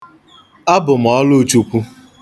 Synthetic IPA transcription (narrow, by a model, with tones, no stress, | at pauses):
a˦bʊ˨m̩˨ɔ˦lo˦t͡ʃu˦pu˦